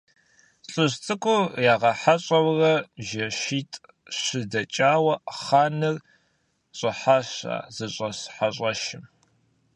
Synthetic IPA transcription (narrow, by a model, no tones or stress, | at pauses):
ɬʼɨɕt͡sʼɨkʷʼʊjaːʁɐħaɕʼɐwrɐʒɐʃiːtʼ | ɕɨdɐt͡ʃʼaːwɐχaːnɨr | ɕʼɐħaːɕa̰ːzɨɕʼɐsħaɕʼɐʃɪm